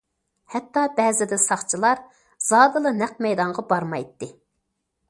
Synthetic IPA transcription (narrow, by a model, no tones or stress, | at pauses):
hɛt̪ːɑbɛːzɪd̪ɪsɑχt͡ʃʰilˠɑɾ | z̥ɑːd̪ɨlˠɨnɛq̚mɛjd̪ɑɴʁɑbɑɾmɑjt̪ːɨ